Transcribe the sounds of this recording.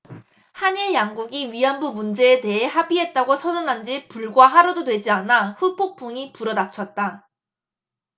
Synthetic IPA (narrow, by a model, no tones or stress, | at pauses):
haɲiɭjaŋɡuɡiɥianbumund͡ʑe̞ːte̞ɦe̞ɦabiɦe̞t̚t͈aɡosʰʌnunɦand͡ʑipuɭɡwaɦaɾododwe̞d͡ʑianaɸupʰok̚p͈ʰuŋipuɾʌnat͡ɕʰʌt̚t͈a